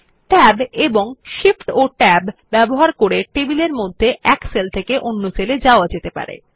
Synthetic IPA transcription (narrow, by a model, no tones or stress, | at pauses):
ʈɛbeboŋʃifʈoʈɛbbɛboɦaɾkoɾeʈebileɾmod̪ʱːeʔɛkselt̪ʰekeʔonːoseled͡ʑaoad͡ʑet̪epa̰ɾḛ